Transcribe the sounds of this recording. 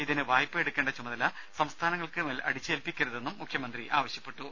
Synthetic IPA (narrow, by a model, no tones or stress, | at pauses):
iðinɨʋaːjpːɨeɽukʲːeːɳɖɐt͡ɕumɐðɐlːɐ | sɐmst̪ʰaːnɐŋːɐɭkɨmeːlʔɐ̰ɽit͡ɕːɨeːlpikʲːɐɾɐðe̞nːumːukʰjɐmɐnd̪riʔaːʋɐɕjɐpːe̞ʈːu